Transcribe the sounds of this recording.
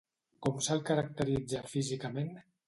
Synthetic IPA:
kɔmsalˠkaɾak̚t̪əɾid͡zafizikamen

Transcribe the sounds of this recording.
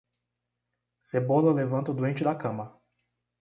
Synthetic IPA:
seboləlevɐ̃nt̪od̪uẽnt͡ʃilakɐ̃mɐ

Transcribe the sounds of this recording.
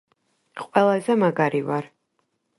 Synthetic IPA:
qʼwɛlˠazɛmaɡaɾivaɾ

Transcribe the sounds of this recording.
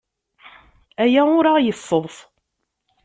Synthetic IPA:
æjæʊɾajəfːəðˤθ

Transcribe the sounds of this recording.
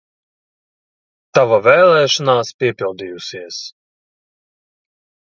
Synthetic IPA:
t̪avavɛːlˠɛːʃɔnaːspʲiɛpʲilˠd̪ijusiɛs

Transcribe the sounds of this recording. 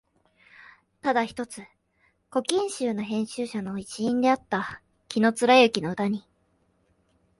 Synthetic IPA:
t̪ad̪açi̥t̪o̞t͡sɨ | ko̞kʲĩɰ̃ɕɨːno̞ɦẽ̞ɕɨːɕano̞it͡ɕiĩnd̪e̞at̪ːa | kʲino̞t͡sɨɾaeɯ̟kʲino̞ɯ̟t̪aɲ̟i

